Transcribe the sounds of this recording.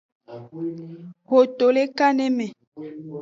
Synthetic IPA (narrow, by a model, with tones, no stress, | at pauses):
ɣo˨to˨le˦ka˦nɛ˦mɛ˨